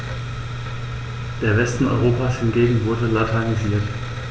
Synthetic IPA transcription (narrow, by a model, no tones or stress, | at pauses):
d̥eːɐvɛstn̩ʔɔ̰ʏʁoːpashɪnɡeːɡŋ̩vʊɐdəlatʰaniziːɐt